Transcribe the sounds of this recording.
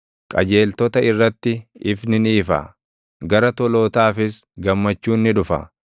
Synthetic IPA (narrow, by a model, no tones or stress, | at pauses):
kʼɐd͡ʒe̞ːlt̪ɔt̪ɐɪrːɐt̪ːɪɪfnɪniːfɐ̰ | ɡɐɾɐt̪ɔlo̞ːt̪aːfɪsɡɐmːɐt͡ʃːuːnːɪᶑʊfɐ̰